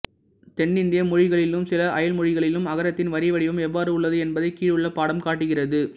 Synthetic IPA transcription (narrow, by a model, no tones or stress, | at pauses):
t̪ɛɳːɪnd̪ɪjɐmʊɻɪɣɐɭɪlɯmsɪlɐʔɐjɐlmʊɻɪɣɐɭɪlɯmɐɣɐɾɐt̪ːɪnʋɐɾɪʋɐɽɪʋɯmɛʋːaːɾɯʊɭːɐðɯɛnbɐðɐɪkːiːɻɯɭːɐpaːɽɐmkaːʈːɯɣɪrɐðɯ